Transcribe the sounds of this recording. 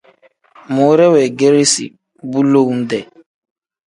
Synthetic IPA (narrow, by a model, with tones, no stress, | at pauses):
mo˨˦ɾe˦wɛ˨ɡe˦ɾi˦sḭ˨ | bu˦lo˦n̩˦dɛ˨